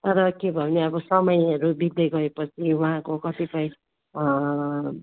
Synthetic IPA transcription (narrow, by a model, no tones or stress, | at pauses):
t̪ʌɾʌkebʱʌneʌbʌsʌmʌjʌɾubid̪ʌɡʌepʌt͡sʰiwuɦãkokʌt̪ipʌj̃